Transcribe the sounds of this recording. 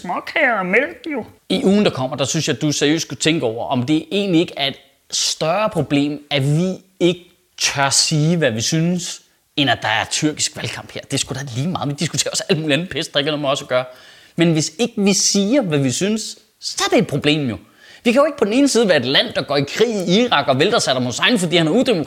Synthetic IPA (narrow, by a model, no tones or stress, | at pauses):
smɒkʰɛɐmelɡ̥jo | iʔuːn̩d̥ɑ̈kʰɒ̽m̰ɐd̥ɑ̈synsjɑ̈d̥useɐijø̰ːskʰut͡sʰeŋɡ̥əɒʊ̰ɐʔɒ̽md̥e̝ʔe̝̰ːnlie̝ɡ̥əæɐe̝d̥ | sd̥ɶɐpʰʁo̝b̥le̝̰ːmæʋi | e̝ɡ̥ə | t͡sʰæɐsiːʋæʋisyns | enæd̥ɑ̈æɐt͡sʰyɐ̰ɡ̥isɡ̥ʋælkʰɑ̈m̰b̥hḛɐ̰d̥e̝sɡ̥uɾ̥ɑliːmɑ̈ːð̩ˠʋid̥isɡ̥u̥t͡sʰe̝̰ːɐɒ̽sælmuːliænð̩ˠpʰesd̥̚ɑeɡ̥ɐnoːmæɒ̽sɐɡ̥ɶɐ | menʋe̝se̝ɡ̥əʋisiːɐʋæʋisynsː | ɒ̽æɐd̥eːd̥̚pʰʁo̝b̥le̝̰ːmjo̝ | ʋikʰæjo̝eɡ̥̚pʰɒd̥n̩e̝ːn̩siːð̞̩ˠʋæːɐe̝d̥læn̰d̥ɑ̈ɡ̥ɒ̰ːikʰʁḭːiiʁɑ̈ɡ̥ɒ̽ʋeld̥ɑsæd̥ɑmhosɑ̈ɪn̩ˠfɒ̽d̥ḭːhænæɐuðd̥emokʰ